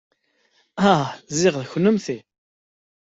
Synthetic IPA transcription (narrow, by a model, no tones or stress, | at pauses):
æzɪʁðçənːəmθi